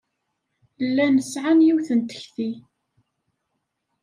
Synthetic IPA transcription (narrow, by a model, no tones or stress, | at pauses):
lːænəsʕanjiwθənt̪ə̥çθi